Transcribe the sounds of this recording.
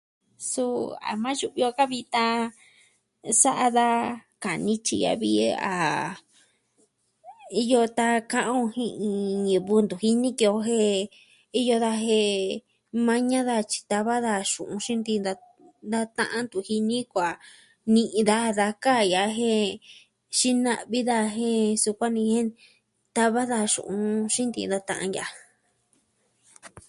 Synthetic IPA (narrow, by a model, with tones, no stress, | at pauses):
su˦a̰˨mã˦ju˧βi˧o˧ka˦βi˧t̪a˧ | sa˦ʔa˧ða˦ka˨nĩ˦t͡ʃḭ˧ja̰˧βḭ˦˧a̰˨ | i˧jo˧t̪a˧kã˧ʔõ˧hĩ˧ʔĩ˧ĩ˨˧βu˧nd̪u˨hi˦nĩ˦ki˧o˧˦ɦe˦ | i˦jo˧ða˧ɦe˧ | mã˧ɲã˦ða˧t͡ʃi̥˧t̪a˧βa˦ða˧ʃṵ̃˨ʔũ˧ʃĩ˦nd̪i˧d̪a˧ | nd̪a˦t̪ã̰˦ʔã˦nd̪u˧˨hi˧nĩ˦kʷa˨ | nĩ˧ʔĩ˧ða˦ða˧ka˦˨ja˨ɦẽ˦ | ʃi˦nã˧ʔβi˦ða˧ɦẽ˦su˧kʷa˦nĩ˧hẽ˦ | t̪a˧βa˦ða˧ʃṵ̃˨ʔũ˧ʃĩ˦nd̪ḭ˧nd̪a˧t̪ã̰˧ʔã̰˧ja˧˨˦